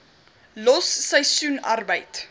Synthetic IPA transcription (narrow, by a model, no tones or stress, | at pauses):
lɔsːəjsunɐ̰rbəjt